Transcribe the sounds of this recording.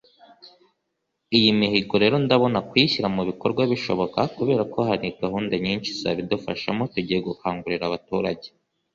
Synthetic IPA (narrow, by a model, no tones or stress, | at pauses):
ijimihiɡo̞ɾe̞ːɾo̞ndaβo̞nakwiçiɾamuβiko̞ɾɡwaβiʃo̞βo̞kakuβe̞ːɾako̞ɦaɾiɡaɦuːndaɲiːnʃizaβidofaʃamo̞tuɟijeɡukaːŋɡuɾiɾaβatuːɾaɟe̞̥